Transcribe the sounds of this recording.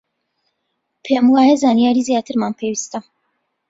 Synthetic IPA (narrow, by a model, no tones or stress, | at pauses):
pʰemwaːjɐzaːnijaːɾiːzijaːt̪ʰɨɾmaːnpʰewist̪ɐ